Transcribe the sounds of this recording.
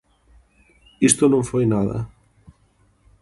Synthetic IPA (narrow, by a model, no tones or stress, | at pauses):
ist̪onõɱfojnaðɐ̰